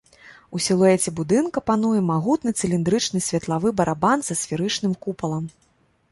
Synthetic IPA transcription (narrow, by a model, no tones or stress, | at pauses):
usʲilˠuɛt͡sʲɛbud̪ɨnkɐpan̪ujɛmaɣut̪nɨt̪sɨlʲind̪ɾɨt͡ʂnɨsʲvʲɐt̪lˠavɨbɐɾʔabanzɐsʲfʲiɾɨt͡ʂnɨmkupɐlˠɐm